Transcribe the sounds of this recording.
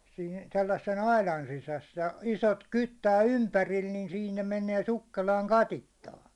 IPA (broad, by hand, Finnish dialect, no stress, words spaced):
siːn selːɑsːen ɑilɑn sisæs jɑ isot kytːæː ympæril nin siːn ne meneː sukːelɑːŋ kɑtitːɑːŋki̥